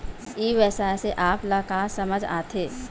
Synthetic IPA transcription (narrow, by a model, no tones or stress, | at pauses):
iːʋɛːsaːseʔaːplaːkaːsɐməd͡ʒa̰ːt̪ʰeː